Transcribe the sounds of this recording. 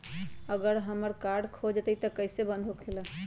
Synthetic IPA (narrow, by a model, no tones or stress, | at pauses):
əɡəɾɦəməɾkaɾɖkʰod͡ʒət̪əit̪əkəɪsebə̃nd̪ʱokʰelə